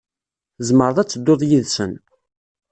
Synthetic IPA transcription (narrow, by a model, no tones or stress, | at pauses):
zməɾðˤæt͡sːəd̪ːoðˤjiðsən